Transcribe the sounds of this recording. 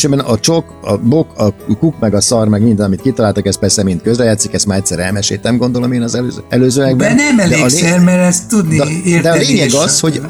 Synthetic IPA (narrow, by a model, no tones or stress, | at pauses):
ʃɛbɛnɒt͡ʃo̞kɒ̰bo̞ɒkukmɛɡɒsɒrmɛɡmind̪ɛnɒmit̪̚kit̪ɒlaːlt̪ɒkɛst̪pɛrsɛmint̪̚køzlɛjaːt̪sikɛst̪maːɾɛct̪ʲsɛɾɛlmɛʃḛːt̪nɛmɡo̞nd̪o̞lomeːnɒzɛløːzøːɛløːzøːlɛɡɛnɛmɛld̪ɛeːlsɛrmɛɾɛst̪ːud̪niɛeːrd̪ɛɒleːɲɛɡɒsho̞ɟ